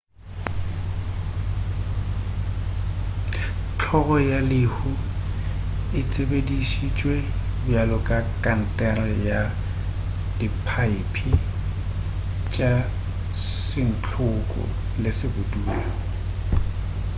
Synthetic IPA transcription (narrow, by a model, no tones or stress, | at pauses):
t͡ɬʰɔɣɔjalɪhʊ | ɪt͡sʼebediʃit͡ʃʼwebjalɔkʼakʼan̩tʼɛrɛja | d̥ipʰaipʰi | t͡ʃʼa | sɪn̩t͡ɬʰʊkʼɔ̰lɪsɪbʊduːa